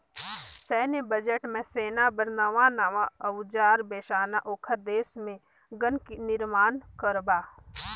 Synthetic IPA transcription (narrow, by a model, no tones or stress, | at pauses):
sɛːnebəd͡ʒəʈmẽseːnabəɾnəʋãnaʋãəwd͡ʒaːɾbeːʃaːnaʔoːkʰəɾd̪eːsmẽ | ɡənkinɪɾmaːnkəɾbaː